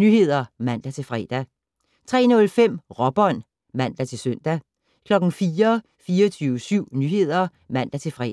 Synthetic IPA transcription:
nyhe̝ð̰ˠɐmæn̰d̥æt͡sʰe̝lfʁɛ̰ːd̥æ | t͡sʰʁɛ̰ːnɔ̽lfem̰ʁɒ̽b̥ɒ̽n̰ | mæn̰d̥æt͡sʰe̝lsøn̰d̥æ | kʰlɒ̽ɡ̥n̩fiːɐ | fiːɒt͡sʰyːʊsyʊ̰nyhe̝ð̞̰ˠɐ | mæn̰d̥æt͡sʰe̝lfʁɛ

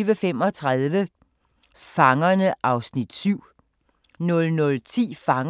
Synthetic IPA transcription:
ʋəfem̰ɒ̽t͡sʰʁaðˠʋə | fɑ̈ŋɐnəʔɑ̈ʊsnid̥syʊ̰ | nɔ̽lnɔ̽lt͡sʰḭːfɑ̈ŋ

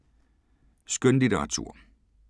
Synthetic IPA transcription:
sɡ̥ønlideʁɑ̈t͡sʰṵɐ̰

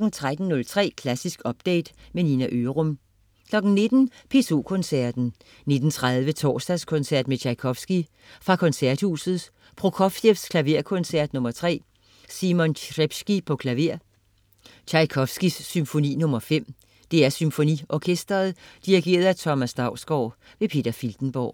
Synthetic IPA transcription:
ɡ̥n̩t͡sʰʁad̥n̩nɔ̽lt͡sʰʁɛ̰ːkʰlæsisɡ̥ɒ̽b̥̚d̥ḛːd̥meninæʔøːʁɔm | kʰlɒ̽ɡ̥n̩ne̝d̥n̩pʰe̝so̝̰ːkʰɔ̽nsæɐd̥n̩ | ne̝d̥n̩t͡sʰʁaðˠʋət͡sʰɒ̰ːsd̥æskʰɔ̽nsæɐ̰d̥met͡ɕʰɑɪkʰɒ̽fsɡ̥i | fʁɑ̈kʰɒ̽nsæɐ̰d̥hṵːsð̩ˠ | pʰʁokʰɒfefskʰlæʋe̝ɐ̰kʰɔ̽nsæɐd̥nɔ̽mɐt͡sʰʁɛ̰ː | simɔnʁeb̥sɡ̥ipʰɒ̽kʰlæʋe̝ɐ̰ | t͡ɕʰɑ̈ɪkʰɒ̽fsɡ̥isːymfo̝nḭːnɔ̽mɐfem̰ | d̥e̝æɐsymfo̝nḭɒkʰesd̥ɐð̩ˠd̥iʁiɡ̥e̝̰ːɐðˠæt͡sʰɒ̽mæsd̥ɑ̈ʊ̰sɡ̥ɒʊ̰ | ʋe̝pʰe̝d̥ɐfild̥n̩b̥ɒ̰ː

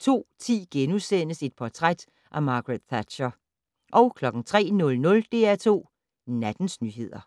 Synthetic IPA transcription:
t͡sʰo̝̰ːt͡sʰḭːɡ̥enusen̰əse̝d̥̚pʰɒt͡sʰʁad̥ | ʔæmɑ̈ːɡ̥ʁed̥θæd̥ɕɐ | ʔɒ̽ʊkʰlɒ̽ɡ̥ŋ̩t͡sʰʁɛ̰ːnɔ̽lnɔ̽ld̥e̝̰ːæɐt͡sʰo̝̰ː | næd̥n̩snyːɦe̝ð̞̰ˠɐ

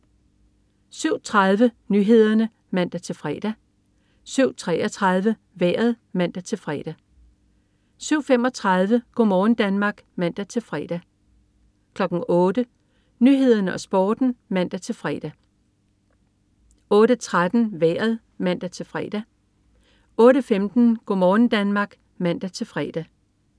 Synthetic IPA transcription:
syʊ̰t͡sʰʁɑðˠʋə | nyɦe̝ð̞̰ˠɐnə | mæn̰d̥æt͡sʰe̝lfʁɛːd̥æ | syʊ̰t͡sʰʁɛɒt͡sʰʁɑðˠʋə | ʋæːɐð̞ˠ | mæn̰d̥æt͡sʰe̝lfʁɛ̰ːd̥æ | syʊ̰fem̰ɒ̽t͡sʰʁɑ̈ðˠʋəɡ̥ɒmɒːn̩d̥ænmɑ̈ːɡ̥mæn̰d̥æt͡sʰe̝lfʁɛ̰ːd̥æ | kʰlɒ̽ɡ̥n̩ɔ̽ːd̥ə | nyɦe̝ð̰ˠɐnɒ̽sb̥ɔːd̥n̩mæn̰d̥æt͡sʰe̝lfʁɛ̰d̥æ | ɔ̽ːɾ̥ət͡sʰʁad̥n̩ʋæːɐð̩ˠ | mæn̰d̥æt͡sʰe̝lfʁɛd̥æ | ɔ̽ːɾəfemd̥n̩ɡ̥ɔmɒːn̩d̥ænmɑ̈ːɡ̥ | mæn̰d̥æt͡sʰe̝lfʁɛd̥æ

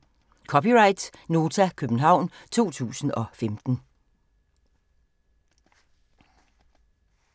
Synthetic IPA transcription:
kʰɒ̽piʁɑ̈ɪd̥no̝ːt͡sʰækʰøb̥n̩ɦɑ̈ʊ̰nt͡sʰo̝̰ːt͡sʰṵːsn̩ɒ̽femd̥n̩

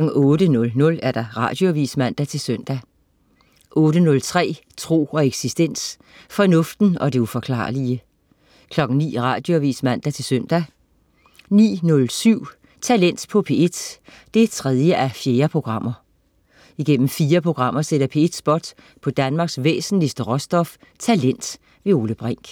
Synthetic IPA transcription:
n̩ɔ̽ːɾənɔ̽lnɔ̽læɐɾ̥ɑ̈ʁɑ̈d̥jo̝æʋḭːsmæn̰d̥æt͡sʰe̝lsøn̰d̥æ | ʔɔ̽ːɾ̥ənɔ̽lt͡sʰʁɛ̰ː | t͡sʰʁo̝̰ːɒ̽eɡ̥sisd̥en̰s | fɒ̽nɔ̽fd̥n̩ɒ̽d̥e̝ufɒ̽kʰlɑ̰̈ːliə | kʰlɒ̽ɡ̥n̩nḭːʁɑ̈ːd̥jo̝æʋḭːsmæn̰d̥æt͡sʰe̝lsœn̰d̥æ | nḭːnɔ̽lsyʊ̰ | t͡sʰælen̰d̥pʰɒ̽pʰe̝ed̥ | d̥e̝t͡sʰʁɛð̞ˠjəʔæfje̝ːɐpʰʁo̝ɡ̥ʁɑ̈m̰ɐ | iɡ̥en̰m̩fiːɐpʰʁo̝ɡ̥ʁɑ̈m̰ɐseɾɐpʰe̝ed̥sb̥ɒ̽d̥pʰɒ̽d̥ænmɑ̈ːɡ̥sʋḛːsn̩lisd̥əʁɒ̽sd̥ɒ̽f | t͡sʰælen̰d̥ | ʋe̝o̝ːləb̥ʁeŋ̰ɡ̥

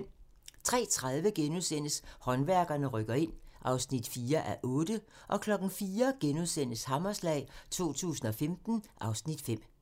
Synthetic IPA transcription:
t͡sʰʁɛ̰ːt͡sʰʁað̞ˠʋəɡ̥enusen̰əshɒ̽nʋæɐɡ̥ɐnəʁœɡ̥ɐe̝n̰ʔɑ̈ʊsnid̥fiːɐʔæɐʔɔ̽ːd̥əʔɒ̽kʰlɒ̽ɡ̥n̩fiːɐɡ̥enuðˠsen̰əshɑ̈mɐslɛ̰ːɪt͡sʰo̝̰ːt͡sʰṵːsn̩ɒ̽femd̥n̩ʔɑ̈ʊsnid̥fem̰

